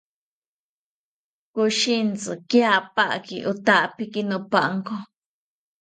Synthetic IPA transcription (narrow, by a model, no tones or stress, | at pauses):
kuʃint͡sɨkjapaʔkiʔut̪aʔpikinũpaʔŋko